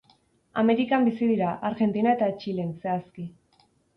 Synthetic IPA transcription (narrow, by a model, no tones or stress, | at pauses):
ame̞ɾikambisiðiɾaʔaɾɣe̞nt̪inae̞t̪at͡ʃile̞nse̞aski